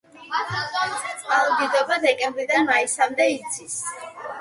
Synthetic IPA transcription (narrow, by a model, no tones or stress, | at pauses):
alˠɔd̪id̪ɔbad̪ɛkʼɛmbɾid̪anmaisamd̪ɛit̪sʰis